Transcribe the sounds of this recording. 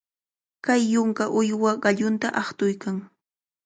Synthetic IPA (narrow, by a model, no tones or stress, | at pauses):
kajːʊŋkaʔʊjwaɢɑʎʊnt̪aʔɑχt̪ʊjkaŋ